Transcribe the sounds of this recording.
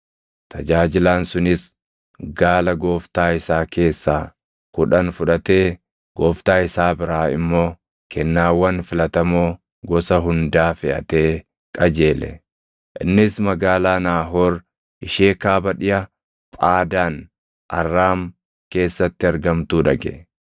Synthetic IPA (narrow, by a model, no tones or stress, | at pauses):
t̪ʰɐd͡ʒaːd͡ʒɪlaːnsʊnɪs | ɡaːlɐɡo̞ːft̪aːɪsaːkʰe̞ːsːaː | kʊᶑɐnfʊᶑɐt̪e̞ː | ɡ̥oːft̪aːɪsaːbɪɾaːɪ̰mːo̞ː | kʰɛnːaːwːɐnfɪlɐt̪ɐmo̞ː | ɡɔsɐɦʊnd̪aːfɪʔɐ̰t̪e̞ː | kʼɐd͡ʒe̞ːlɛ̰ | ʔɪ̰nːɪsmɐɡaːlaːnaːɦo̞ːɾ | ʔɪʃeːkaːbɐᶑɪʔɐ | pʼaːd̪aːn | ʔɐ̰rːaːm | ke̞ːsːɐt̪ːɪɐɾɡɐmt̪uːᶑɐɡɛ̰